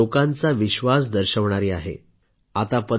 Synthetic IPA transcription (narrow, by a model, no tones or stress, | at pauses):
okãnt͡saʋiɕʋas̬d̪əɾɕəʋɳ̃aɾiːaɦḛ | at̪apə